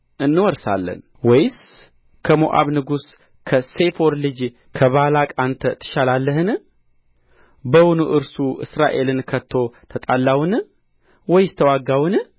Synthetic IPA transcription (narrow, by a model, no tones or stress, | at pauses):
ʔɨnːɨwɔɾsa̰lːə̰n | wɔjs | kʰəmoʔa̰βnɨɡus | kʰəse̞foɾlɨd͡ʒ | kʰəβalakʼant̪ʰət̪ʰɨ̥ʃalalːəhɨn | bəwunuʔɨɾsuʔɨ̰sɾa̰ʔe̞lɨnkʰət̪ʰːo̞t̪ʰət̪ʼalːawɨn | wɔjst̪ʰəwaɡːawɨn